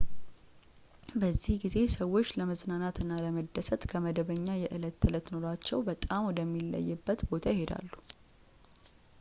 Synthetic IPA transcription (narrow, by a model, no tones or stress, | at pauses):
bəzːihɡize̞səwːo̞t͡ʃːləməznanat̪ɨnːaləməd̪ːəsət̪kʰəməd̪əβəɲːajɛʔɨlət̪ːɨlət̪no̞ɾat͡ʃːɛwbət̪ʼamwɔd̪əmːilːə̰jːɨbːət̪bo̞t̪ʰajɪhe̞d̪a̰lːu